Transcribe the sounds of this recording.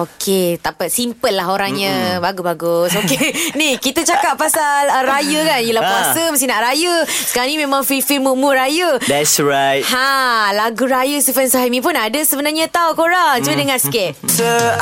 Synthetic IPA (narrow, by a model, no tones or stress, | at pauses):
okʰet̪apasimpəlːaɦoɾaŋɲãbaɡubaɡʊsokenikit̪ət͡ʃakap̚pːasalərajəkanjəlahpuasəməst̪inaʔɾajəsəkaɾãŋnimẽmãŋfilfilmumurajəd̪ɛtsɹajt̚hãlaɡuɾajəsufɛnsaɦamĩp̬ʊnadəsəbənarɲat̪awkoɾaŋt͡ʃuədəŋanskɛt̚so